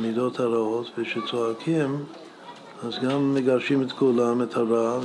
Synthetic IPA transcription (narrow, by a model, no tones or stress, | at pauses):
mid̪ot̪haɾaot̪veʃet͡soakʰim | azɡamːeɡaʁʃimet̪kʰulamet̪haɾa